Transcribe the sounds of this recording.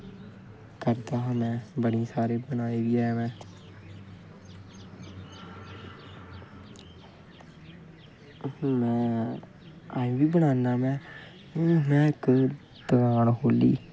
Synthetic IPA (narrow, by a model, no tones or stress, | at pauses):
kəɾt̪aːɦãːmɛ̃ːbəɽiːsaːɾeːbəñaːeːʋiːaːmɛ̃ː | mɛ̃ː | aːĩʋiːbəñãːnd̪aːmɛ̃ː | mɛ̃ːɪkː | d̪əɡaːɳkoːlḭː